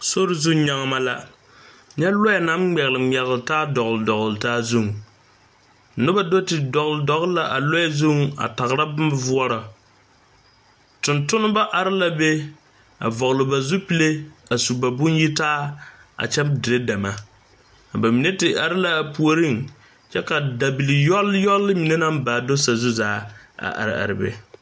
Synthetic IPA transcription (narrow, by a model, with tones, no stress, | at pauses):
so˦ɾɪ˦zu˦ɲa˦ŋ˦ma˦la˦ | ɲɛ˦lɔ˦˨na˦m˦ɡ͡bɛ˨ɣɨ˨lɨ˨mi˨ɛ˨ɣltaː˦dɔ˨ɣldɔ˨ɣlɨ˨taː˦zu˦ŋ˨ | nʊ˦ba˦do˦tɪ˨dɔ˨ɣlɨ˨dɔ˨ɣla˨ʔa˨lɔ˦jzu˦ŋ˦a̰˨ta˨ɣɾa˦bm˦vu˦ɔ˦ɾa˨ | tʊ˨ntʊ˦nɨ˦ba˦ʔa˨ɾɪ˦la˦be˦ | a̰˨vɔ˨ɣlɨ˨ba˨zu˦pi˦le˦a˨su˨ba˨bʊ˦nji˦taː˦a̰˨t͡ʃɛ˦mdɪ˨ɾe˦da˨ma˨ | a˨ba˨mi˨ne˦tɪ˨ʔa˨ɾɪ˦la˨pu˨o˦ɾi˦ŋ | t͡ʃɛ˦ka˨da˨bi˨li˨jɔ˦ljɔ˦lːɨ˦mi˨ne˦na˦mbaː˨do˦sa˨zu˦zaː˦a̰˨ʔa̰˨ɾɪ̰˨a̰˨ɾɪ̰˨bḛ˨